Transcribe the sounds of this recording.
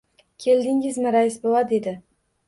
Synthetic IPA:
kʲʰe̞ld̪ɪŋɪzmɪɾajɪsbowad̪e̞d̪ɪ

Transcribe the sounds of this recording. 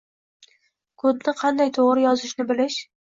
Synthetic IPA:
kʰɵd̪̚nɪqʰɑnd̪ajt̪ʰoʁɾɪjɒzɪʃnɪbɪlɪʃ

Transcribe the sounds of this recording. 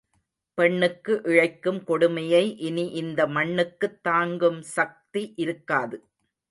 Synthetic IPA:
pɛɳːɯkːɯʔɪɻɐɪkːɯmkɔɽʊmɐjɐɪʔɪniʔɪnd̪ɐmɐɳːɯkːɯt̪ːaːŋɡɯmsɐk̚t̪iʔɪɾɯkːaːðɯ

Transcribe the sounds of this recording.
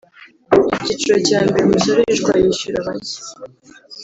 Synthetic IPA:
icit͡ʃiɾo̞caːmbeɾimisoɾeʒɡwajiʃuɾaβaɟi̥

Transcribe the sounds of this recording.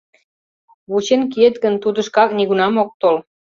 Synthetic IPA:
βut͡ɕenk̬iet̪ɡə̆nt̪ud̪ə̆ʃkɑkniɣunɑmok̚t̪ol

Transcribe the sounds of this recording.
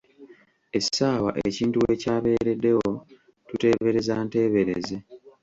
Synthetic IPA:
e̞saːwa̰ʔee̞ciːntuwe̞ːcaːβe̞ːɾedːe̞wo̞ | tute̞ːβe̞ɾe̞zaːnte̞ːβe̞ɾeze

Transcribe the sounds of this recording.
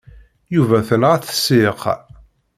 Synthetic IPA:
juvæθənʁæθə̥sɪq

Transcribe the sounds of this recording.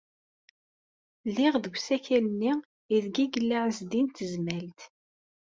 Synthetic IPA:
lːɪʁðəɡʷsæçælənːi | iðɡiɡəlːaʕəzd̪int̪əzmælt̪

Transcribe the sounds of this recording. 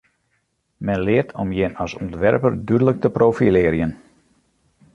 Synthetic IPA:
mɛnlɪərtʰɔmjɪnɔsɔntʋɛrpərdydələk̚təprowfilɪəɾjən

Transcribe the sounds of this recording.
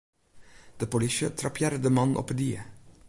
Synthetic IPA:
d̪̥əpɔlɪʃət̪ʰɾɑpʰjæɾd̪əmɑnʔo̰pəd̪iːə̰

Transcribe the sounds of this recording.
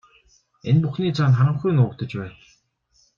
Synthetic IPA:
enpuxniːt͡sʰanχaɾə̆mxujnʊːkt̪ə̆t͡ɕpæːn

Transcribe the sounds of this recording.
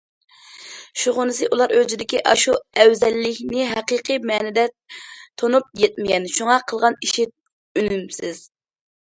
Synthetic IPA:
ʃuʁʊnɨsɨʔulˠɑɾød͡ʒ̪ɪd̪ɪkʲiʔɑʃuɛwzɛlːɪkʲnɪɦɛqəqʰɨmɛːnɪd̪ɛ | t̪ʰonup̚jɛt̪̚mɪɡʲɛnʃuŋɑqʰəlˠʁɑniʃit̪̚ | ynymsɪz̥

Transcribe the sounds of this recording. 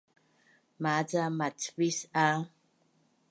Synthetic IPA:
mad͡zamatʰbisa

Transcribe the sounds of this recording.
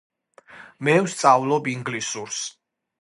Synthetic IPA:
mɛwst̪sʼavlɔbiŋɡlisuɾs

